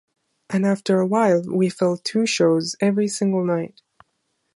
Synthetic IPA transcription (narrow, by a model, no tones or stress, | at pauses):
ʔɨ̃næftə˞əwaɪlˠwifɛlˠtʰʉʃoʊzɛvɹisɪ̃ŋɡl̩ˠnaɪt̚